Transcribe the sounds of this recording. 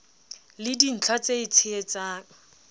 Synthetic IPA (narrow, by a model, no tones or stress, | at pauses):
lɪdin̩t͡ɬʰat͡seɪt͡sʰɪet͡saːŋ̩